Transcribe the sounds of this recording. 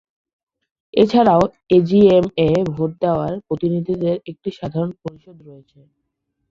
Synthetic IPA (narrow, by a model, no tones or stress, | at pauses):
et͡ɕʰaɾao | ed͡ʑiemebʱoʈ̚d̪eoaɾpɾot̪inid̪ʱid̪eɾek̚ʈiʃad̪ʱaɾonpoɾiʃod̪ɾoet͡ɕʰe